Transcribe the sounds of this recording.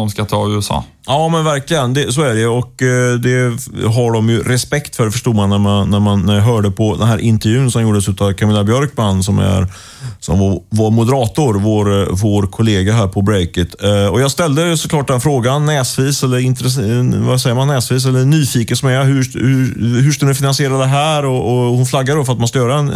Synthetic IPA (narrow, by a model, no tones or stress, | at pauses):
ɔmskat̪ʰɑːʉ̟ːɛsɑ̰ː | jɑːmɛnvæɾklɪɡənd̪ɛsoːæɖɛɔkd̪ɛɦaɖɔmjɵɾɛspɛkt̪fœɖɛfœʂʈuːmanːæɾmanːæɾmanːæɾjaɦœːɖəpʰɔd̪ɛnɦæːɾʔɪnt̪əɾjʉ̟ːnsɔmjuːɖəsʉ̟ːt̪avkʰamɪlːabjœɾkmanːsɔmæ̰ɾ | sɔ̰mvvaɾmʊd̪əɾɑːt̪ʊɾvoːɾvoːɾkʰʊleːɡaɦæːɾpʰɔbɾɛɪkət̪ɔjɑːɡst̪ɛld̪əsɔklɑːʈ̚d̪ɛnfɾoːɡanːɛːsviːsɛlːəɾɪnt̪ɾɛvasɛjːəmanːɛːsviːs̬ɛlːəɳyːfiːkənsmɛɦɵhʉɦɵʂkalnɪfɪnansɪeːɾad̪ɛɦæːɾɔʔɔhʊnflaɡːad̪ɔfœɾat̪manskajœːɾaɛn